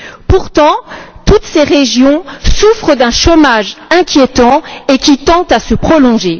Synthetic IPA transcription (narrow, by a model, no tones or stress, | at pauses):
puʁt̪ɑ̃t̪ut̪seʁeʒjɔ̃sufχəd̪ɛ̃ʃomaʒɛ̃kʲjet̪ɑ̃ekʲit̪ɑ̃t̪asəpχɔlɔ̃ʒe